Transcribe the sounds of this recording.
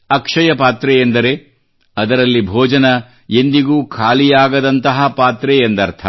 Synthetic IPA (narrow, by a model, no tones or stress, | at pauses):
ɐkʂɐjɐpaːt̪ɾɛend̪ɐɾe̞ | ɐd̪ɐɾɐlːibʱɔːd͡ʒɐnɐ | end̪iɡuːkʰaːlijaːɡɐd̪ɐnt̪ɐɦɐpaːt̪ɾɛjend̪ɐɾt̪ʰɐ